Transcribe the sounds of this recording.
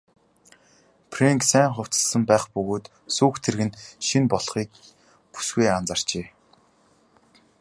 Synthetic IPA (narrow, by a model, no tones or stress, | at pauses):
pʰreŋksæːŋχʊw̥t͡sə̥̆ɮsə̆mpæːχpɵɣoːt̪ | suːkt̪ʰerɣɘ̆nʃinpɔɮχiːk | pu̥sɡujant͡sar̥t͡ɕeː